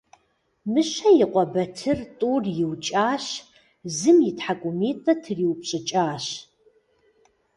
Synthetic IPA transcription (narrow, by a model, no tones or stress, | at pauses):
mɨɕɐjɪqʷʼɔbɐtʰɨrtʼuːrjɪwt͡ʃʼaːɕ | zɨmjɪtħakʷʼʊmeːtʼɐtʰɨriːwpɕʼɪt͡ʃʼaːɕ